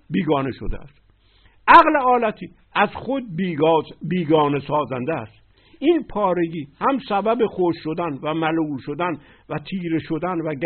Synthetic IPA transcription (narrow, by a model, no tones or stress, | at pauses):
biːɡɒːneʃo̰d̪ḛæ̰st̪ | ʔæɣleɒːlæt̪ʰiː | æzxod̪̚ | biːɡɒːnesɒːzænd̪eæst̪ | iːnpʰɒːɾe̞ɡiːhæmsæbæbexoʃʃod̪ænvæmæluːʃod̪æn | væt̪ʰiːɾe̞ʃod̪ænvæɡ